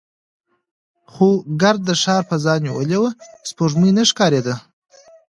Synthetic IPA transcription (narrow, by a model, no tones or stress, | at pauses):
xoɡaɾd̪̚ːəʃɑːɾpəzɑnjewəlewəspoʐmujnəʂkɑɾed̪ə